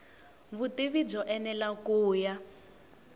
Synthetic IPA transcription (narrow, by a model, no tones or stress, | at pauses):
βutiβib͡ʐɔʔɛnɛlakuːja